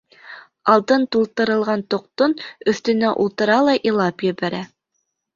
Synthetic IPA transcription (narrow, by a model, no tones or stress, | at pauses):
ɑlˠt̪ɤnt̪ulˠt̪ɤ̆ɾɤ̆lˠʁɑnt̪ŏq̚t̪onɵ̆θt̪ɵ̆næʔulˠt̪ɤ̆ɾɑlˠɑʔilˠɑpjɘ̆βæɾæ